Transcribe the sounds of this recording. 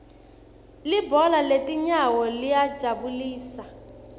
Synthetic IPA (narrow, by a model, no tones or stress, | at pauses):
libɔlaletiɲawɔlijḁd͡ʒʱaβuliːsa